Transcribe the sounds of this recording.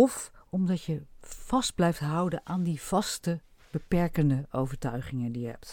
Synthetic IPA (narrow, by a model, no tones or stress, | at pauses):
ɔfɔmdɑtjəv̥ɑsd̚blɛjftɦʌwdənʔaːndiv̥ɑstə | b̥əpɛɹkəndəowvəɹtœɥχɪŋəndijəɦɛ̰p̚t